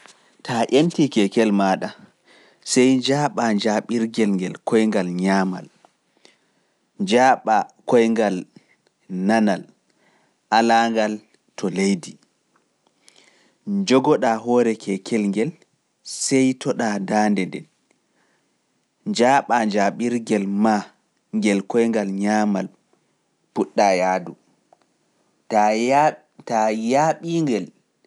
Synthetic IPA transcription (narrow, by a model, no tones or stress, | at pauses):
tʰaʔentikɛkɛlmaːɗa | sɛjd͡ʒaːɓaɲd͡ʒaɓiɾɡɛlŋɡɛlkʰɔjŋɡalɲaːma̰l | d͡ʒaːɓakɔjŋɡal | nanal | ʔalaːŋɡal | tʰɔlejdi | d͡ʒɔɡɔɗaɦɔːɾɛkʰɛkʰɛlŋɡɛl | sɛjtʰɔɗadaːndɛndɛ̰n | d͡ʒaːɓad͡ʒaɓiɾɡɛlma | ŋɡɛlkɔjŋɡalɲaːmal | puɗːajaːdu | a | tajaɓiŋɡɛl